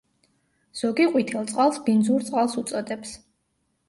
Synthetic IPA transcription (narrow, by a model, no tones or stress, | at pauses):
z̥ɔɡiqʼwit̪ʰɛlˠt̪sʼqʼalˠsbind̪zuɾt̪sʼqʼalˠsut̪sʼɔd̪ɛps